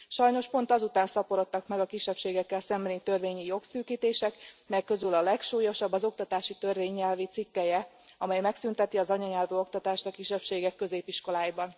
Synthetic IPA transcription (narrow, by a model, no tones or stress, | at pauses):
ʃɒjno̞ʃpo̞nt̪ɒzut̪aːnsɒpoɾo̞t̪ːɒkmɛɡɒkiʃːɛpʃeːɡɛkːɛlsɛmbɛlit̪ø̞rveːɲijo̞ksyːkiːt̪eːʃɛkmɛkkːø̞zylɒlɛkʃuːjo̞ʃɒbːɒzo̞kt̪ɒt̪aːʃit̪ø̞rveːɲːɛlvit̪sikːɛjɛ | ɒmɛjmɛksynt̪ɛt̪iɒzɒɲɒɲɛlvøːo̞kt̪ɒt̪aːʃt̪ɒkiʃːɛpʃeːɡɛkːø̞zeːpiʃko̞laːjbɒn